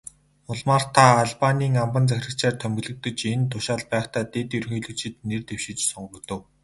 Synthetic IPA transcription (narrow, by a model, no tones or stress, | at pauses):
ʊɮmaːr̥t̪ʰaːɮpanʲiːŋampə̆nt͡sæxʲrə̆kt͡ɕæːrt̪ʰœmɡɵ̆ɮɵ̆k̚t̪ɵ̆t͡ɕent̪ʊʃaːɮpæːχt̪aːt̪et̪jɵrxɵːɮɵ̆kt͡ɕʰɪ̆t̪nert̪ewʃɪ̆t͡ɕsʊɴɢə̆kt̪ɵ̆w